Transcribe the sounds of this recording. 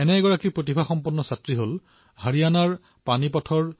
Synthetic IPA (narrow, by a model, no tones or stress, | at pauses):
ɛnɛɡɔɹakipɹot̬ibʱaxɔmpɔnːɔsatɹiɦol | haɹianaɹ | panipɔtʰɔɹ